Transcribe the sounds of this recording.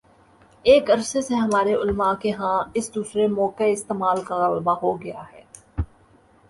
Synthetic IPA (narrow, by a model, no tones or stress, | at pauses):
eːkɐɾseseɦɐmaːɾeʊlmakeɦãːɪsd̪uːsɾemɔːkeɪst̪eːmaːlkaʊlmaɦoɡɐja̰ɦɛː